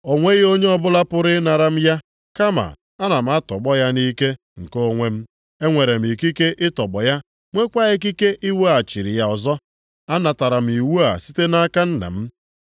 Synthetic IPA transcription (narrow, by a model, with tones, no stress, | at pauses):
o˨ŋʷe˦ɣo˦ɲe˦ɔ˦bʊ˦la˦pʊ˦ɾɪ˦na˨ɾa˦m̩˦ja˦ | ka˦ma̰˨ | a˦na˨m̩˦a˦tɔ˨ɡ͡bɔ˦ja˦ni˦ke˦ | ŋ̩˨ko˦ŋʷe˦m̩˦ | e˦ŋʷe˨ɾe˨m̩˨i˨ki˦ke˦ʔɪ˦tɔ˨ɡ͡bɔ˨ja˦ | ŋʷe˦kʷa˦e˦k̬i˦ke˦ʔi˦wu˦a˨t͡ʃi˨ɾi˨ja˨ɔ˨zɔ˦ | a˦na˨ta˨ɾa˨m̩˨i˨wu˦a̰˨si˦te˦na˦ka˦n̩˦na̰˨m̩˦